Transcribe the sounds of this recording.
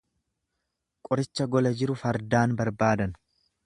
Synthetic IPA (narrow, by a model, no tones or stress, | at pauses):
kʼɔɾɪt͡ʃːɐɡɔlɐd͡ʒɪɾʊfɐɾd̪aːnbɐɾbaːd̪ɐn